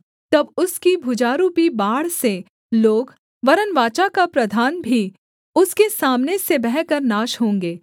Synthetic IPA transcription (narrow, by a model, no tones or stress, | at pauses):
t̪ɐbʊskibʱʊd͡ʒaːɾupibaːɽ̤se | loːɡ | ʋɐɾənʋaːt͡ʃakapɾɐd̪ʱaːnbʱi | ʊskesaːmnesebɛɦkəɾnaːʃɦõːŋ̆ɡeː